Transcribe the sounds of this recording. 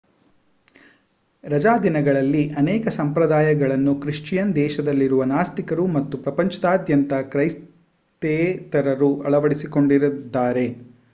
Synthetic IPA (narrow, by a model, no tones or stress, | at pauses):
ɾɐd͡ʒaːd̪inɐɡɐɭɐlːiʔɐnɛːkɐsɐmpɾɐd̪aːjɐɡɐɭɐnːukɾiʂt͡ʃjɐnd̪ɛːʃɐd̪ɐlːiɾuʋɐnaːst̪ikɐɾumɐt̪ːupɾɐpɐɲt͡ʃɐd̪aːd̪ʱjɐnt̪ɐkɾɐjs | t̪eːt̪ɐɾɐɾuʔɐɭɐʋɐɽisiko̞ɳɖiɾud̪ːaːɾe̞